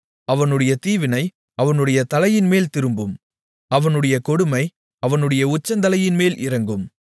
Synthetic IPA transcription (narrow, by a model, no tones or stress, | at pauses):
ɐʋɐnɯɽɐjɐt̪iːʋɪnɐɪ | ɐʋɐnɯɽɐjɐt̪ɐlɐjɪnmeːlt̪ɪɾɯmbɯm | ɐʋɐnɯɽɐjɐkɔɽɯmɐɪ | ɐʋɐnɯɽɐjɐʊt͡ʃːɐnd̪ɐlɐjɪnmeːlʔɪɾɐŋɡɯm